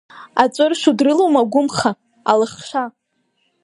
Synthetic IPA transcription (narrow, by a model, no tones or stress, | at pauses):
at͡sʷʼɨrʃudrɨlowmaɡʷʊmχa | alɨχʃa